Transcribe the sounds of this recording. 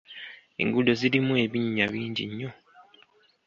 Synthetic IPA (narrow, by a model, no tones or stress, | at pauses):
ḛŋɡudo̞ziɾimue̞βiɲːaβiːɲɟḭɲːo̞